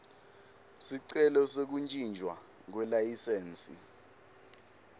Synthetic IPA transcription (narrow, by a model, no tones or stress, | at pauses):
siǀɛlɔsek̬unt͡ʃʼind͡ʒʱwa | k̬wɛlajisɛːnt͡sʼi